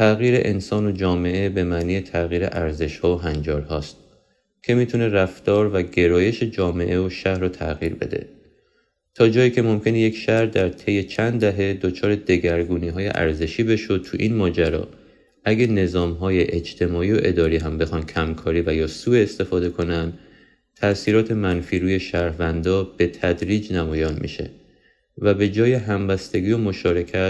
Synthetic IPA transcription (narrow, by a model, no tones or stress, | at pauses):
t̪ʰæɣiːɾe̞̰ʔensɒːno̞d͡ʒɒːme̞ʔebe̞mæʔniːjet̪ʰæɣiːɾe̞̰ʔæɾze̞ʃhɒːoɦænd͡ʒɒːɾɦɒːst̪̚ | cʰe̞miːt̪ʰune̞ræft̪ɒːɾvæɟe̞ɾɒːje̞ʃe̞d͡ʒɒːme̞̰ʔeoʃæhɾɔːt̪ʰæ̰ʔɣiːɾbe̞̰d̪e̞̰ | t̪ʰɒːd͡ʒɒːjiːcʰe̞mo̞mcʰe̞neje̞cʃæhɾd̪æɾt̪ʰe̞jːe̞t͡ʃʰænd̪d̪æɦe̞d̪o̞t͡ʃʰɒːɾe̞d̪e̞ɡæɾɡuːniːɦɒːjḛʔæ̰ɾze̞ʃiːbe̞ʃo̞d̪̚t̪ʰṵʔinmɒːd͡ʒæɾɒ̰ː | ʔæɡæne̞zɒːmɦɒːjeʔed͡ʒt̪ʰe̞mɒːiːo̞ʔe̞d̪ɒːɾiːɦæmbe̞xɒːnd̪cʰæmkʰɒːɾiːvæjɒːsuːeːst̪e̞fɒːd̪e̞kʰo̞nænd̪ | t̪ʰæsiːɾɒːt̪ʰe̞mænfiːɾuːje̞ʃæɾvænd̪ɒːb̥e̞t̪ʰæd̪ɾiːd͡ʒnæmɒːjɒːnmḭʃe̞̰ | væbe̞d͡ʒɒːje̞ɦæmbæst̪e̞ɡiːomo̞ʃɒːɾe̞cʰæt̪